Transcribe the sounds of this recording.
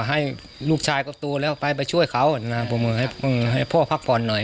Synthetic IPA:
ɦa˧˥˩j | luː˧˩k̚t͡ɕʰaː˧jkɔː˧˩t̪oː˧lɛː˧˩wpa˧jp̬a˧jt͡ɕʰu˧˥˨əjkʰa˧˦wna˧˩bɔ˧˦mɯː˧ha˧˥˩ɔ˧˦mɯː˧ɦa˧˥˩jpʰɔː˧˩pʰa˧˩k̚pʰɔː˨˧˦nːɔ˨˩j

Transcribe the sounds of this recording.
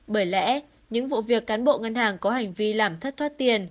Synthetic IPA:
ɓəː˧˩jlɛ̰˧˥ | ɲɨ̰˧˥ŋvṵ˧˨vi˨˩əkːaː˨˦nɓo̰˧˨ŋə˧nhaː˨˩ŋkɔ˨˦ha˨˩jŋ̟vi˧laː˨˩mt̪ʰə˦˥t̚t̪ʰwaː˦˥t̚t̪i˨˩ən

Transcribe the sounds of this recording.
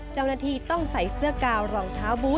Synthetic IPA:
t͡ɕa˥˩wnaː˧˩t̪ʰiː˧t̪ɔ˥˩ŋsa˨˩˦jsɯ˥˩ɐkaː˧wɾɔː˨˩ŋt̪ʰaː˦˥wbuː˦˥

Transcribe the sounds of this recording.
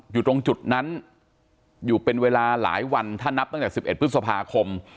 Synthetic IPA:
juː˨˩t̪o˧ŋt͡ɕu˨˩t̪̚na˦˥n | juː˨˩pe˧nweː˧laː˧la̰ː˩˦jwa˧nt̪ʰaː˥˩nːa˦˥p̚t̪ɔ˥˩t͡ɕaː˨˩ksi˨˩p̚ʔe˨˩t̪̚pʰɯ˦˥sa˧pʰaː˧kʰo˧m

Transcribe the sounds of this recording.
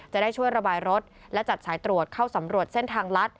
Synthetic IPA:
t͡ɕt͡ɕa˨˩daː˥˩jt͡ɕʰu˥˩əjɾa˧baː˧jɾo˦˥t̪̚ | lɛ˦˥t͡ɕa˨˩t̪̚saː˩˦jt̪ɾu˨˩ət̪̚kʰaː˥˩wsa˩˦mɾu˨˩ət̪̚se˥˩nt̪ʰaː˧ŋla˦˥t̪̚

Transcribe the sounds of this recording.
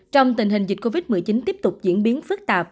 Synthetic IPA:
t͡ɕɔ˧wŋ͡mt̪̬ï̟˨˩ɦï˨˩ŋ̟zï˨˩t̟̚ko˧vi˦˥t̚mɨ˨˩əjt͡ɕi˨˦nt̪i˦˥əp̚t̪ʊ˨˩k͡p̚zḭ˧˥ənɓi˨˦ənfɨ˦˥k̚t̪aː˨˩p̚

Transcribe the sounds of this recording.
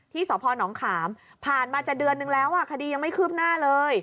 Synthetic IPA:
t̪ʰiː˥˩sɔː˩˦pʰɔː˧nɔː˩˦ŋkʰaː˩˦m | pʰaː˨˩nmaː˧t͡ɕaː˨˩k̚dɯ˧ənːɯ˨˧ŋlɛː˦˥wʔaː˥˩kʰa˧diː˧ja˧ŋma˥˩kʰɯː˥˩p̚naː˥˩lɤː˧j

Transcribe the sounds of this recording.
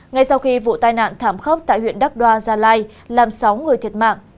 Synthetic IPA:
ŋa˧jsa˧wxi˧vṵ˧˨t̪aː˧jna̰ː˧˨nt̪ʰaː˧˩mxə˦˥wp̚t̪a̰ː˧˨jhwḭ˧˨ənɗə˦˥k̚ɗwaː˧zaː˧laː˧j | laː˨˩msa˨˦wŋɨ˨˩əjt̪ʰi˨˩ət̚ma̰ː˧˨ŋʔ

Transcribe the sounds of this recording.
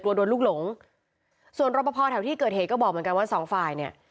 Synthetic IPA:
klu˧du˧nluː˥˩k̚lo˩˦ŋ | su˨˩ənɾo˧˥pa˧pʰɔː˧t̪ʰɛ˨˦wt̪iː˥˩kɤː˨˩heː˨˩t̚kɔː˥˩bɔː˨˩mɯ˩˦nka˧nwaː˥˩sɔː˩˦ŋfaː˨˩jni˧˩ɐ

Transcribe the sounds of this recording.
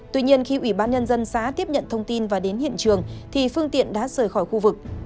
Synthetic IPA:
t̪wi˧ɲi˧ənxi˧ʔwi˧˩ɓaː˧nɲə˧nzə˧nsaː˨˦t̪i˦˥əp̚ɲə̰˧˨nt̪ʰə˧wŋ͡mt̪i˧nvaː˨˩ɗe˨˦nhḭ˧˨ənt͡ɕɨ˨˩əŋt̪ʰi˨˩fɨ˧əŋt̪ḭ˧˨ənɗa̰ː˧˥səː˧˩jxɔ˧˩jxu˧vɨ˨˩k̚

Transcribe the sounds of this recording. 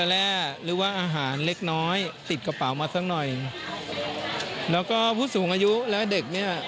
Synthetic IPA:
ɛ˧lɛː˧˩ɾɯː˩˦waː˧˥˩ʔaː˧ɦaː˩˦nle˦˥k̚nɔː˦˥jt̪i˨˩t̪̚ka˧pa˨˩˦wmaː˧t̪ʰaː˦˥ŋnɔ˨˩j | lɛː˦˥wkɔː˥˩pʰuː˥˩suː˨˩˦ŋʔaː˧ju˦˥lɛː˦˥de˨˩k̚ni˥˩ɐ

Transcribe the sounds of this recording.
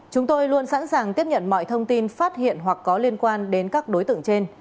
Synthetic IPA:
t͡ɕʊ˨˦ŋ͡mt̪o˧jlu˧ənsa̰ː˧˥nsaː˨˩ŋt̪i˦˥əp̚ɲə̰˧˨nmɔ̰˧˨jt̪ʰə˧wŋ͡mt̪i˧nfaː˦˥t̚hḭ˧˨ənɦwa˨˩kːɔ˨˦li˧ənkwaː˧nɗe˨˦nkaː˦˥k̚ɗo˨˦jt̪ɨ̰˧˨əŋt͡ɕe˧n

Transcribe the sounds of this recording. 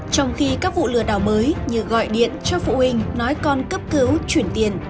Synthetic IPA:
t͡ɕɔ˧wŋ͡mxi˧kaː˦˥k̚vṵ˧˨lɨ˧˩əɗaː˧˩wməː˨˦jɲɨ̰˧˨ɣɔ̰˧˨jɗḭ˧˨ənt͡ɕɔ˧fṵ˧˨hï˧ŋ̟nɔ˨˦jkɔ˧nkə˦˥p̚kɨ˨˦wt͡ɕwi˧˩ənt̪i˧˩ən

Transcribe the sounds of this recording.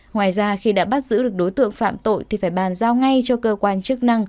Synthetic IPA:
ŋwaː˨˩jzaː˧xi˧ɗa̰ː˧˥ɓa˦˥t̚zɨ̰˧˥ɨ˨˩ək̚ɗo˨˦jt̪ɨ̰˧˨əŋfa̰ː˧˨mt̪o̰˧˨jt̪ʰi˨˩faː˧˩jɓaː˨˩nzaː˧wŋa˧jt͡ɕɔ˧kəː˧kwaː˧nt͡ɕɨ˦˥k̚na˧ŋ

